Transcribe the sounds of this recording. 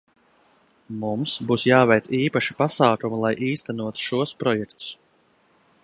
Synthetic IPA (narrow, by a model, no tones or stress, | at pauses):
mumsbuːsjaːvɛjt̪siːpaʃi̥pasaːkumulˠajʔiːst̪ɛnuɔt̪u̥ʃuɔspɾɔjɛkt̪u̥s